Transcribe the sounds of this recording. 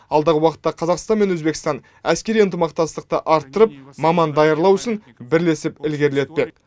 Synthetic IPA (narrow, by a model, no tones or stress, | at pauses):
ɑlˠd̪ɑʁəwɑqət̪ːɑqʰɑzɑqst̪ɑnme̞nwɵzbekʲɪ̥st̪ɑn | æskʲe̞ɾijənt̪əmɑqt̪ɑst̪əq̚t̪əʔɑɾt̪ːəɾəp̚mɑmɑnd̪ɑjɑɾlˠɑwʊsən | bɪɾle̞sɪpɪlɡʲe̞ɾle̞t̪̚pe̞k̚